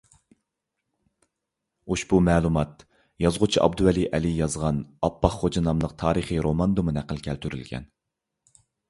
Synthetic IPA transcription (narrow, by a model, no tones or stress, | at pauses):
uʃbumɛːlˠumɑt̪̚ | jɑzʁʊt͡ʃʰiʔɑ̰bd̪uwɛliʔɛlijɑzʁɑnɑpːɑχχod͡ʒɑnɑmlˠəq̚t̪ʰɑːɾəχiɾomɑnd̪umɨnæqːəlˠkʲʰælt̪ʰyɾy̰lɡʲɛ̰n